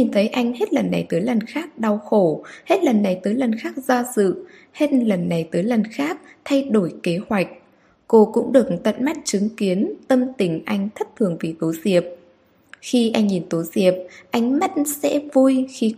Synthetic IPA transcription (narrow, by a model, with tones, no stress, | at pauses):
ɲi˨˩nt̪ʰə˨˦jʔa˧jŋ̟he˦˥t̚lə˨˩nːa˨˩jt̪əː˨˦jlə˨˩nxaː˦˥k̚ɗa˨˧˩wxo˧˩he˦˥t̚lə˨˩nːa˨˩jt̪əː˨˦jlə˨˩nxaː˦˥k̚zɔ˧sɨ̰˧˨ | he˦˥t̚lə˨˩nːa˨˩jt̪əː˨˦jlə˨˩nxaː˦˥k̚t̪ʰa˧jɗo˧˩jke˨˦hwa˨˩jk̟̚ | ko˧kʊ̰˧˥ŋ͡mɗɨ˨˩ək̚t̪ə̰˧˨nma˦˥t̚t͡ɕɨ˨˦ŋki˨˦ənt̪ə˧mt̪ï˧˩ŋ̟ʔa˧jŋ̟t̪ʰə˦˥p̚t̪ʰɨ˨˩əŋvi˨˩t̪o˨˦zi˨˩əp̚ | xi˧ʔa˧jŋ̟ɲi˨˩nt̪o˨˦zi˨˩əp̚ʔa˨˧jŋ̟ma˦˥t̚sɛ̰˧˥vu˧jxi˧